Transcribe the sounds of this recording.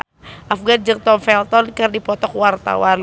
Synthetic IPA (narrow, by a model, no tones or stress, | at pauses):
ʔafɡand͡ʒəŋ̚t̪ɔmfɛlt̪ɔnkərdipɔt̪ɔkwart̪a̰wan